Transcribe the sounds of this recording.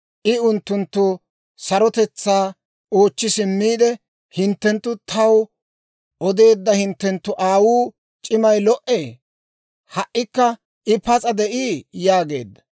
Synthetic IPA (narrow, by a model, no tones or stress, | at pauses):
ʔɪʊnt̪ːʊnt̪ːʊ | sɐɾɔt̪ɛt͡sːaː | oːt͡ʃːɪsɪmːiːd̪ɛ | hɪnt̪ːɛnt̪ːʊt̪ʰɐw | ʔɔd̪e̞ːd̪ːɐhɪnt̪ːɛnt̪ːʊʔaːwuː | t͡ʃʼɪmɐjlɔʔeː | hɐʔːɪkːɐ | ʔɪpɐt͡sʼɐd̪ɛʔiːjaːɡe̞̰ːd̪ːɐ̥